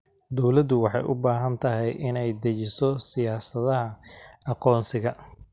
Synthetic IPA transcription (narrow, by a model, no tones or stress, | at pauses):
d̪ɔwlɐd̪ʊwɑħɑ̰jʔʊbaːɦɐnt̪ʰɐɦɛjʔɪnɛjd̪ɐt͡ʃɪsɔsɪjaːsɐðɐɦɐɑqɔːnsɪɣɐ